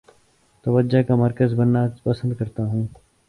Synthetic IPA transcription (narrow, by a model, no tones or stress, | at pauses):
t̪ɐʋəd͡ʒd͡ʒakamɐɾkəzbɐnːapɐsə̃nd̪̚kɐɾt̪aɦũː